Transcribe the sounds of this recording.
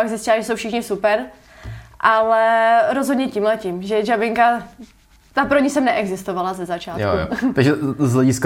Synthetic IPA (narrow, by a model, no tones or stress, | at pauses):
aɡzɪstcɪlaʒɛsowfʃɪxɲɪsupɛɾ | ʔalɛɾozɦodɲɛciːmlɛciːmʒɛʒabɪŋka | t̪apɾoɲɪsɛmnɛʔɛɡzɪst̪ovalazɛzat͡ʃaːtjo̰jo̰aɡʒɛzɦlɛɟɪsk